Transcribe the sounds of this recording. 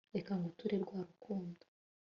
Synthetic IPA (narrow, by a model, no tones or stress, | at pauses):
ekaŋɡotuɾeɾɡwaːɾukʰuːndo̥